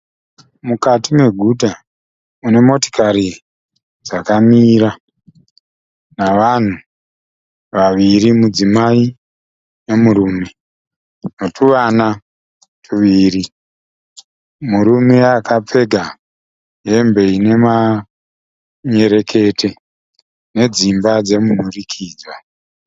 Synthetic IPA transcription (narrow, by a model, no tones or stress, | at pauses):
mukatimwe̞ɡʱudʱa | une̞mo̞to̥kʰaɾi | d͡zakamiːɾa | naʋan̤u | ʋaʋiɾimud͡zimai | ne̞muɾuːme̞ | no̞tʰuʋana | tʰuʋiːri | muɾumeakap͡fe̞ɡʱa | ɦe̞mbe̞ine̞ma | ɲe̞ɾe̞kʰe̞tʰe̞ | ne̞d͡zimbad͡ze̞mun̤urikʰiːd͡zwa